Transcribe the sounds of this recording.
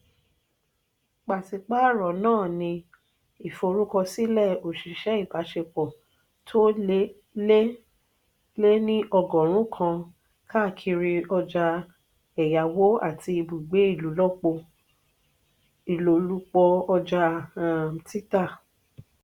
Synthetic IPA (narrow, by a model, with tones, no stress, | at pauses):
k͡pa˨si˨k͡pa˦˨ɾɔ˨nãː˦˨nĩ˧ | i˨fo˧ɾu˦kɔ˧si˦lɛ˦˨o˨ʃi˨ʃɛ˦i˦˨ba˨˦ʃe˧k͡pɔ˨ | tʰo˦ | e˦ | le˦nĩ˦ʔɔ˧ɡɔ̃˨ɾ̃ũ˨˦˨kʰã˧ | ka˦˨kʰi˧ɾi˧ɔ˧d͡ʒa˧ | ɛ˨ja˨wo˦a̰˦˨ti˧i˧bu˨ɡ͡be˨˦i˦˨lu˨˦lɔ˦k͡po˧ | i˨lo˨lu˦k͡pɔ˧ɔ˧d͡ʒa˧˨m˨ti˦ta˦˨